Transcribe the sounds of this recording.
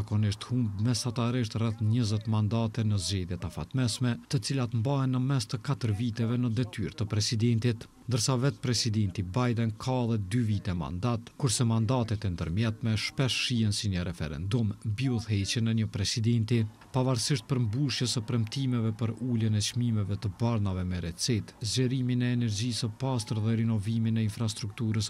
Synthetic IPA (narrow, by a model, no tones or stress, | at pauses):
akɔniʃt̪humbmɛsat̪aɾiʃt̪rɛθɲəzɛt̪mand̪at̪ɛnəzd͡ʑɛðjɛt̪afa̰t̪mɛsmɛt̪ət͡silat̪mbaɦɛnːəmɛst̪əkat̪əɾvit̪ɛvɛnəd̪ɛt̪y̰ɾt̪əpɾɛsid̪ɛnt̪it̪ | nd̪əɾsavɛt̪̚pɾɛsid̪ɛnt̪ibajd̪ɛnkʰalɛd̪yvit̪ɛma̰nd̪at̪kuɾsɛmand̪at̪ɛt̪ɛnd̪əɾmjɛt̪mɛʃpɛʃʃiɛnsiɲəɾɛfɛ̰ɾɛ̰nd̪umbiuðɦɛt͡ɕənɛɲəpɾɛsid̪ɛnt̪i | pavaɾsiʃt̪̚pəɾmbuʃjɛsəpɾɛmt̪imɛvɛpəɾulənɛt͡ʃmimɛvɛt̪əbaɾnavɛmɛɾɛt͡sit̪zd͡ʑəɾiminɛːnɛɾd͡ʑisəpast̪əɾðɛɾinɔviminɛinfɾas̬t̪ɾuk̚t̪uɾəs